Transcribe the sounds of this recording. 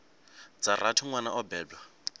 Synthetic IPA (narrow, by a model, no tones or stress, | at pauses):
d͡zaratʰiŋwana̰ʔɔbɛːdwa